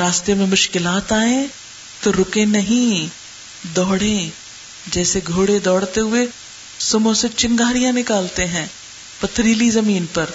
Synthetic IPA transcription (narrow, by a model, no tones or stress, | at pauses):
ɾaːst̪ijəmẽmʊʃkɪlaːt̪aːẽ | t̪oɾʊkẽnɐɦĩ | d̪ɔːɽẽ | d͡ʒɛːseɡʱoːɽed̪ɔːɽt̪eɦʊe | sʊmõset͡ʃɪ̃ŋɡaːɾijãnɪkaːlt̪eɦɛ̃ː | pɐt̪ʰːɾiːlizɐmiːnpɐɾ